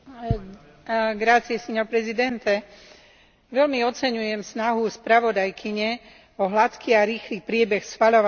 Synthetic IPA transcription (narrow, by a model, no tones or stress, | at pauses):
ɡɾat͡siɛsɛɲɔpɾɛzid̪ɛnt̪ɛ | ʋɛlmiɔt͡sɛɲujɛmsnaɦuspɾaʋɔd̪ajkʰiɲɛ | ɔɦlat̪kiːaɾiːxliːpɾɪɛbɛxsxʋaʎɔʋa